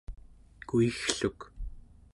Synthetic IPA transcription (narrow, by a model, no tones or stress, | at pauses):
kuixɬuk